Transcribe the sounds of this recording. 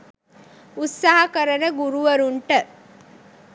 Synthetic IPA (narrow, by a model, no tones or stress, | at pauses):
ut̪saɦɐkɐɾɐnəɡuɾuʋɐɾuɳʈə